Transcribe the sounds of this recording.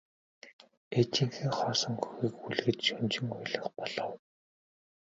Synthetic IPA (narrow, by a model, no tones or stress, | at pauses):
et͡ɕĭŋxɘːŋχɔːsɞ̆ŋxɵ̥xiːkuɮ̆ɣɘ̆t̪ʃɔnʲt͡ɕɪ̆ŋʊjɮɞ̆χpɔɮ̥ɞ̆w